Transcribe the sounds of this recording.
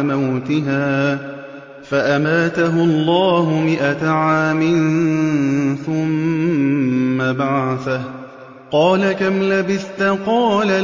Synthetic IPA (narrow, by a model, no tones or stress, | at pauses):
mawt̪ɪɦaː | faʔamaːt̪aɦʊɑlˤːɑːɦʊmɪʔat̪aʕaːmɪn | θʊm | abaʕaθah | qɑːlakamlabɪθt̪aqɑːla